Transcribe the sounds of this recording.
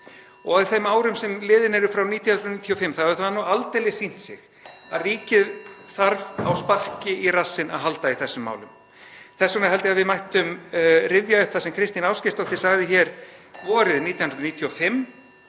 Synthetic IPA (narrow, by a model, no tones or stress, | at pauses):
ɔɣaðɪθɛmaːwɾʏmsɛmlɪːðɪnɛɾʏfɾawniːt̪jahnɾðniːt̪ʰiɔfɪmːθaðɛɾʏθavanualt̪ejlɪsin̥t̪sɪ̰ɣ | a̰ðriːcɪðθaɾva̰wspar̥cɪʔirasːɪna̰ðɦalt̪aiθɛsːʏmːa̰ːwlʏm | θɛsːɔnaɦɛlt̪ɪaðvɪðmajht̪ʏmrɪvjaʏθasɛmkʰɾɪst̪inaːwscɪst̪ɔɣθisaɣðɪçɛːɾ̥vɔːɾɪðniːt̪jahnɾniːt̪ʰjiɔfɪmː